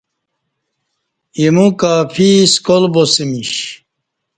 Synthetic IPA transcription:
imukaːfʰiskolbosimiɕ

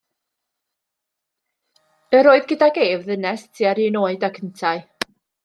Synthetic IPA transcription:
əɾoːɨðɡədaɡeːvðənɛstʰiaɾiːnoːɨdakʰəntʰaɨ

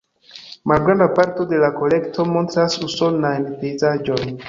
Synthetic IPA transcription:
malɡɾandapaɾto̞de̞lako̞le̞ktʰo̞mo̞ntɾasuso̞lnajnpe̞jzad͡ʒo̞n

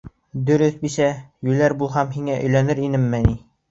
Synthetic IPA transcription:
d̪ɵ̆ɾɵθbisæjʉlæɾbulˠɦɑmɦiŋæʔɵ̆jlænɘɾinɘmːɘni

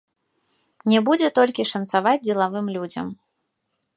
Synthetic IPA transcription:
nʲɛbud͡zʲɛt̪ɔlʲkʲiʂɐnt̪savad͡zʲd͡zʲɛlˠavɨmlʲud͡zʲɐ̰m

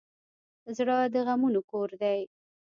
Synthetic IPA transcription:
zɽɑd̪əɣamunokoɾd̪aj

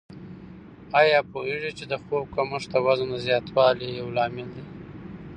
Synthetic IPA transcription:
ɑjɑpoeʐit͡ʃed̪əxob̚kamʊʂd̪əwazand̪əzjɑt̪wɑlijawlɑmɪld̪i

